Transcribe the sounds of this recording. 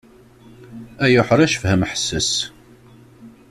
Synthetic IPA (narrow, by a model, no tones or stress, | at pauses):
æjʊħəɾˤæʃfhæmħə̥sːəs